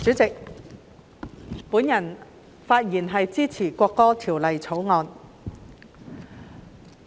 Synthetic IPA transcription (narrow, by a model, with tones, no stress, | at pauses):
t͡syː˨˥t͡sɪ˨k̚ | puː˨˥njɐ˨˩n | faː˧t̚jiː˨˩nɦɐ˨jt͡siː˥t͡sʰiː˨˩kʷɔː˧kːɔː˥t̪ʰiː˨˩wlɐ˨jt͡sʰo˨˥wŋɔː˧n